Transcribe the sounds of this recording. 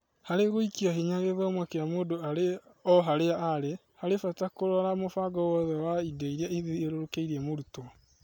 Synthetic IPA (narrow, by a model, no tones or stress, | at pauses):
haɾeɣoikiaɦiɲaɣeðɔmwakeamoːdoaɾeɔɦaɾeaaɾe | haɾefatakoɾɔɾamofaɡɔwɔðɛwaideiɾiaiðieɾoɾokeiɾɛmoɾutɔ